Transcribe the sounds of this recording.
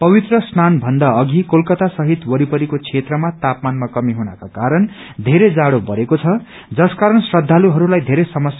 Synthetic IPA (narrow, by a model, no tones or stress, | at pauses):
pʌbit̪rʌsnanbʱʌnd̪aʌɡʱikolkʌt̪asʌɦit̪wʌɾipʌɾikot͡sʰet̪rʌmat̪apmanmakʌmiɦunakakaɾʌn | d̪ʱeɾed͡zaɽobʌɾekot͡sʰʌ | d͡zʌskaɾʌnsrʌd̪ʱːaluɦʌɾulajd̪ʱeɾesʌmʌs